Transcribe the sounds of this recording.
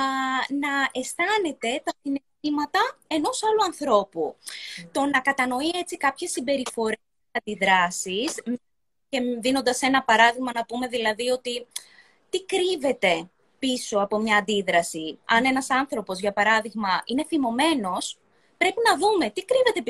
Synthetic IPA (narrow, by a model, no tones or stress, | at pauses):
nɐe̞st̪ɐne̞t̪e̞t̪ɐsinest̪imɐt̪ɐe̞no̞sɐluɐnθɾo̞put̪o̞nɐkɐt̪ɐno̞ie̞t͡sikɐpçe̞sːimbe̞ɾifo̞ɾeseɐnd̪iðɾɐsis | ce̞ðino̞nd̪ɐse̞nɐpɐɾɐðiɣmɐnɐpume̞ðilɐðio̞t̪i | t̪ikɾive̞t̪e̞ | pisoɐpo̞mɲɐːnd̪iðɾɐsiɐne̞nɐsɐnθɾo̞po̞zʝɐpɐɾɐðiɣmɐine̞θimo̞me̞no̞s | pɾe̞pinɐðume̞t̪ikɾive̞t̪e̞p